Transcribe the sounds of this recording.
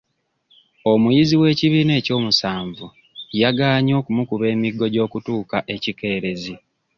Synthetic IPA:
o̞mujiziwe̞ːciβiːne̞ːco̞ːmusaːɱvu | jaɡaːɲo̞ːkumukuβe̞ːmiɡːo̞ɟo̞ːkutuːkaʔe̞cike̞ːɾe̞zi

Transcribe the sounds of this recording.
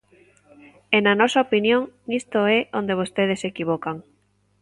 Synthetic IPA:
enanɔsaopinjoŋnist̪oɛʔond̪eβ̞ost̪eð̞esekiβ̞okaŋ

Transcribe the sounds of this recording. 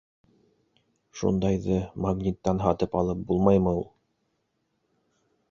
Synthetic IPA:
ʃṵnd̪ɑjðɤmaɡnʲit̪ːɑnɦɑt̪ɤpɑlˠɤp̚bulˠmɑjmɤulˠ

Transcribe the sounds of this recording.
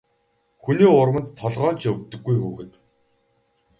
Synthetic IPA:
xuniːʊrwə̆nt̪ʰːɔɮʁɔːnt͡ɕʰɵk̚t̪ɵ̆ɡːujxuːxɘ̆t̪

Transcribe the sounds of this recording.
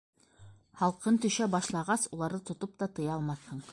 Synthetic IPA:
hɑlˠqɤnt̪ɵ̆ʃæbɑʃlˠɑʁɑsulˠɑɾðɤt̪ŏt̪op̚t̪ɑt̪ɤ̆jɑlˠmɑθhɤɴ

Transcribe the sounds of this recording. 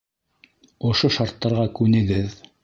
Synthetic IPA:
ŏʃoʃɑɾt̪ːɑɾʁɑkʉnɘ̆ɡɘð

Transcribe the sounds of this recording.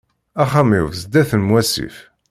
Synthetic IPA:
æχamifzəd̪æθənmwæsḭf

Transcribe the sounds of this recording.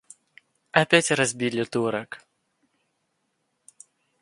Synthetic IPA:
ɐpʲætʲrɐzʲbʲilʲɪt̪uɾək

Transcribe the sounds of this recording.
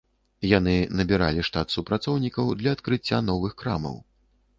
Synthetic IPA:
janɨnɐbʲiɾa̰lʲiʂt̪at̪supɾat̪sɔwnʲikɐwd̪lʲɐːt̪kɾɨt͡sʲːanɔvɨxkɾa̰mɐ̰w

